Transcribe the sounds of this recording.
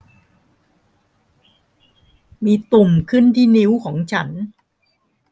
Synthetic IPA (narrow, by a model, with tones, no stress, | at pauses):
miː˧t̪u˨˩mkʰɯ˥˩nt̪ʰiː˥˩ni˦˥wkʰɔː˩˦ŋt͡ɕʰa˦˥n